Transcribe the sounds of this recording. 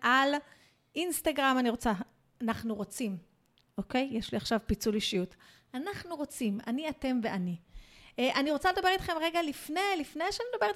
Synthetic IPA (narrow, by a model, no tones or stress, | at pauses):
ʔal | ʔinst̪aɡʁamaniʁo̞t͡saː | naχnuʁot͡sim | ʔoke̞jjeʃliaχʃavpit͡suliʃijut | anaχnuʁo̞t͡sima̰niate̞mve̞ani | ʔaniʁo̞t͡sale̞d̪abeit̪χe̞mʁeɡalifne̞jlifnejʃeanid̪abe̞it